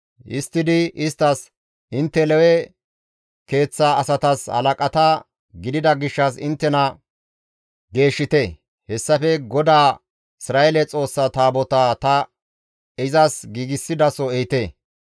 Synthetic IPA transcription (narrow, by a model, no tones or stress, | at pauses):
ʔɪ̰st̪ːɪd̪ɪɪst̪ːɐs | ʔɪnt̪ːɛlɛwɛ | ke̞ːt͡sːaɐsɐt̪ɐshɐ̰lɐkʼɐt̪ɐ | ɡɪd̪ɪd̪ɐɡɪʃːɐsɪnt̪ːɛnɐ | ɡe̞ːʃːɪt̪e | hɛsːɐfɛɡɔd̪aː | ɪsɾaːelɛt͡sʼo̞ːsːɐt̪aːbɔt̪at̪ɐ | ɪzɐsɡiːɡɪsːɪd̪ɐsɔɛjɪt̪e